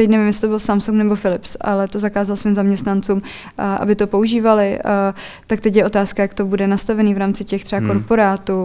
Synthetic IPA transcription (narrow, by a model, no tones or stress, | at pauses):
t̪ɛcnɛvɪmjɛs̬ɪ̥t̪obɪlsamsuŋknɛbo̞fɪlɪpsa̰lɛt̪o̞zakaːzalsviːmzamɲɛst̪nant͡suːm | ʔa̰bɪt̪o̞po̞uʒiːvalɪ | t̪ak̚t̪ɛcjɛʔo̞t̪aːskajakt̪o̞budɛnast̪avɛniːvɾaːmt͡sɪcɛxt̪r̥ɛbako̞ɾpo̞ɾaːt̪uː